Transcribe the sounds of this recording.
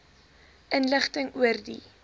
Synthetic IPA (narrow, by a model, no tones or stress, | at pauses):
ʔənləχtəŋuərdi